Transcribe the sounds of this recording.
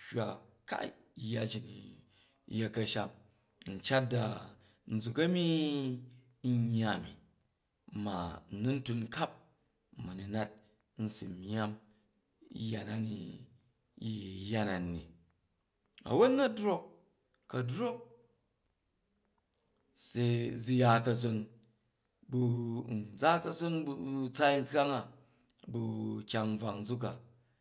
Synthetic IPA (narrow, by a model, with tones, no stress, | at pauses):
hwa˨ | ka̰˦˨ | jːa˧d͡ʒi˨ni˨˦ | je˦˨kɐ˧ʃa˦m | n̩˨t͡ʃa˦t̚da˨ | n̩˨d͡zu˨kɐ˦mi˦ | ɲːa˨mi˨ | ma˨n˨˦nu˦n̩˦tu˧n˦ka˦p̚ | mɐ˨nu˨na˦t̚ | n̩˦si˨m˦a˦m˦ | ja˨na˦ni˨˦ | ji˨˦ja˦na˨nḭ˨ | ɐ̰˨wo˦tnɐ˦dɾo˦k̚ː | ɐ˨dɾo˦k̚ | se˧d͡zi˧ja˦kɐ˧zo˧n | bu˧˨n˨d͡za˦kɐ˦zo˦nbu˦t͡sa˦ŋ̩˦ka˦ŋa˨ | bu˧kʲa˧ŋ̩˦b͡va˨ŋd͡zu˦k̬a˨